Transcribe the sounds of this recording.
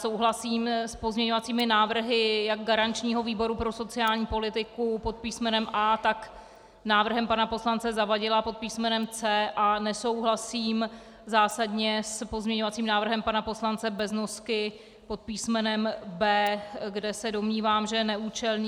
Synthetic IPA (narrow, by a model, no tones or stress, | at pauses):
so̞wɦlasiːmspo̞zmɲɛɲo̞vat͡siːmɪnaːvr̩ɦɪjaɡ̚ɡaɾant͡ʃɲiːɦo̞viːbo̞ɾupɾo̞so̞t͡sɪaːlɲiːpo̞lɪt̪ɪkupo̞t̪̚piːsmɛnɛmʔaːt̪ak | naːvr̩ɦɛmpanapo̞slant͡sɛzavaɟɪlapo̞t̪̚piːsmɛnɛmt͡sɛːʔanɛso̞wɦlasiːm | zaːsadɲɛspozmɲɛɲo̞vat͡siːmnaːvr̩ɦɛmpanapo̞slant͡sɛbɛznoskɪ | po̞t̪̚piːsmɛnɛmbɛːɡdɛsɛdo̞mɲiːvaːmʒɛnɛʔuːt͡ʃɛlɲː